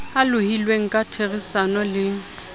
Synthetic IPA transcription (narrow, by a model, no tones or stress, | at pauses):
alʊhilweŋ̩kʼatʰerisanɔlɪŋ̩